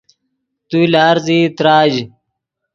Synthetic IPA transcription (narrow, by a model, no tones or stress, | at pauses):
t̪uilaːɾziːt̪ɾaːd͡ʑ